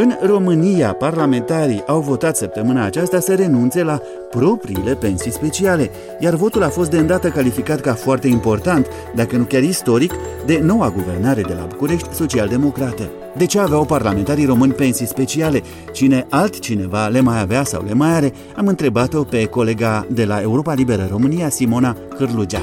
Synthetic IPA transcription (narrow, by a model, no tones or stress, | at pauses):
ɨnro̞mɨnijaparlame̞nt̪aɾiʔawvo̞t̪at̪səp̚t̪əmɨnaːt͡ʃast̪asəɾe̞nunt̪se̞la | pɾo̞pɾiːle̞pe̞nsijspe̞t͡ʃiale̞ | jarvo̞t̪ulafo̞s̬t̪d̪eɨnd̪at̪əkalifikat̪kafoart̪e̞impo̞rt̪ant̪ | d̪akənukʲarist̪o̞ɾikd̪e̞no̞waɡuve̞rnaɾe̞d̪e̞la̰bukuɾe̞ʃt̪ʲso̞t͡ʃiald̪e̞mo̞kɾat̪e | d̪e̞t͡ʃeaːveawparlame̞nt̪aɾiro̞mɨnʲpe̞nsijspe̞t͡ʃiale̞ | t͡ʃine̞ʔalt̪ʲt͡ʃine̞vale̞majaveasa̰wle̞majaɾe̞ | amɨnt̪ɾe̞bat̪o̞pe̞ko̞le̞ɡad̪e̞lae̞uɾo̞palibe̞ɾəɾo̞mɨniasimo̞na | kɨrlud͡ʒa